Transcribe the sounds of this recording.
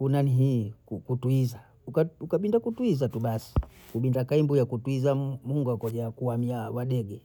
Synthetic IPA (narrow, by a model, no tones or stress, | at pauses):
kunaniɦikukutuiza | ukaukaɓindakutuizatuɓasi̥ | kuɓindakaimbujakutuizamuŋɡakɔʄakuwamiawaɗɛɡɛ